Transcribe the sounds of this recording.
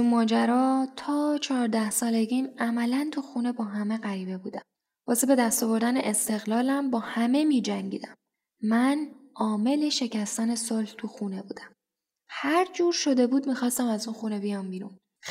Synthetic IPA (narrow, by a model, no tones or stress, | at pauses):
umɒːd͡ʒæɾɒːt̪ʰɒːt͡ʃʰɒːɾd̪æhsɒːle̞ɡiːmæmælænt̪ʰuxune̞bɒːɦæme̞ɣæɾiːbe̞buːd̪æm | vɒːsebe̞d̪æst̪ɒːvo̞ɾd̪æneʔest̪e̞ɣlɒːlæmbɒːhæme̞miːd͡ʒæŋɟiːd̪æmː | ænʔɒːme̞le̞ʃe̞cæst̪æne̞solht̪ʰuxune̞buːd̪æm | hæɾd͡ʒuːɾʃo̞d̪e̞buːd̪miːxɒːst̪æmæzunxuːne̞bijɒmbiɾṵn